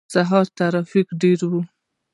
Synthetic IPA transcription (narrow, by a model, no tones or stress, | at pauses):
saɦɑɾt̪aɾɑfikɖeɾwu